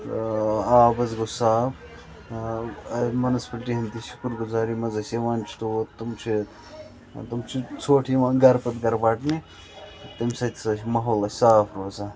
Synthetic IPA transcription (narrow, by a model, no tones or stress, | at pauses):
aːbɐzɡosaːf | mɐnɐspɐʈiɦɐnt̪iʃu̥kɾɡuzaːɾimɐzɐseʋaːnt͡ʃʰt̪ut̪umt͡ʃʰi | t̪ɐmt͡ʃʰit͡sʰoːʈʰiʋaːɡɐɾpɐt̪ɡɐɾbaːʈni | t̪ɐmsɐt̪ʰʲsɐʃmɐɦoːlɐsaːpʰɾoːzaː